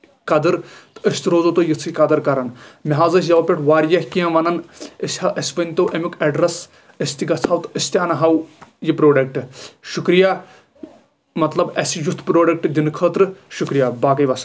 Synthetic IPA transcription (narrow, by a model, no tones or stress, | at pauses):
kɐd̪ɨɾt̪əsʲt̪ʲiɾoːzot̪ojit͡sʰɨjʲikɐd̪ɐɾkɐɾɐnmiɦaːzɐs̬ʲjɐwpʲeʈʰʋaːɾjɐhʲkiɐ̃ʋɐnɐnəsʲhɐʔɐsʲbɐnʲt̪owʔɐmʲukɐɖɾɐs | əsʲt̪iɡɐt͡sʰɐːwt̪ɨəsʲt̪ʲaːnɐɦɐwjipɾoːɖɐk̚ʈɨʃukɾijaː | mɐt̪lɐbɐsijut̪ʰpɾoːɖɐk̚ʈɨd̪inkʰəːt̪ɾɨʃukɾijaːbaːkɐjʋɐsɐ̥